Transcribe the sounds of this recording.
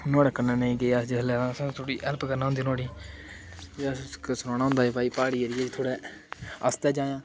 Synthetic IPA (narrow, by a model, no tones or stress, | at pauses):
noːɽkːənaːneĩɡeːasd͡ʒɪslɛːlãːsãːt̪ʰoːɽiːʔɛlpkəɾnaːɦʊ̃nd̪iːnoːɽiː | d͡ʒaskəsʊnãːnãːʊ̃nd̪aːeːpaːiːpaːɽiːeɾɪeːd͡ʒt̪ʰoːɽɛː | əst̪ɛːd͡ʒaːjãː